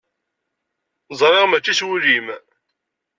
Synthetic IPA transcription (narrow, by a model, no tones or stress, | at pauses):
zˤɾˤɪʁmæt͡ʃːiswuɾim